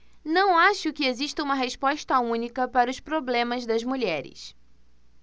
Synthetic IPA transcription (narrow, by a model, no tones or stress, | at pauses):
nɐ̃w̃aʃʊkɪeziʃt̪ɐũmɐɦeʃpɔʃt̪ɐũnikɐpaɾɐʊspɾoblẽmɐzd̪ɐzmuʎɛɾɪ̰s